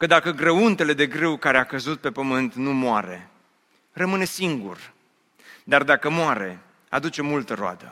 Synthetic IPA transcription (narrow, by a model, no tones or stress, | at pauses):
kəd̪akəɡɾəunt̪e̞le̞d̪e̞ɡɾewkaɾe̞akəzut̪̚pe̞pəmɨnt̪numoaɾe̞̰ | rəmɨne̞siŋɡṵr | d̪ard̪akəmoaɾe̞̰ | a̰d̪ut͡ʃe̞mult̪əɾoa̰d̪ə̰